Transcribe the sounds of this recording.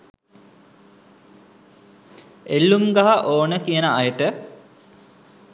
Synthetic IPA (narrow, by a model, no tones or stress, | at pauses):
elːumɡaɦaʔoːnəkijənəajəʈə